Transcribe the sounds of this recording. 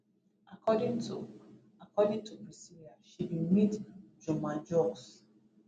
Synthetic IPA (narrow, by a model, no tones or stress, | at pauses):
akʰɔdĩŋtu | akʰɔdĩŋtʰubɹisiliaʃidimitd͡ʒɔmãd͡ʒɔks